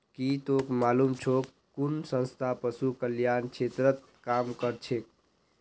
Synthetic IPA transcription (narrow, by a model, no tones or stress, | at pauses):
kit̪okmalumt͡ʃʰok | kːunsə̃nst̪ʰapəsukəljankʰet̪ɾət̪̚ | kamkəɾt͡ʃʰek̚